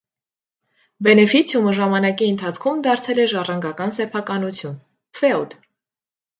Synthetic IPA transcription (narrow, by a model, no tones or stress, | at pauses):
bɛnɛfit͡sʰjuməʒɑmɑnɑkiənt̪ʰɑt͡sʰkʰumd̪ɑɾt͡sʰɛlɛʒɑrɑŋɡɑkɑnsɛpʰɑkɑnut͡sʰjun | fɛud̪